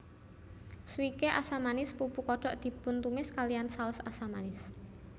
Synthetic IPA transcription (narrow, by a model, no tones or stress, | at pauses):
swikeʔasamanɪspupukɔɖ̥ɔ̤ʔd̪̥i̤bʊnt̪umɪskaliansaʊsasamanɪs